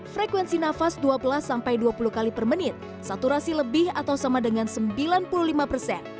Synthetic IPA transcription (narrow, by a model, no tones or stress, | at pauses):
fɾekwɛnsinafasduabəlasampajduapuluhkalipərmənɪt̪̚ | sat̪uɾasiləbɪhat̪awsamadəŋansəmbilanpululimapərsɛn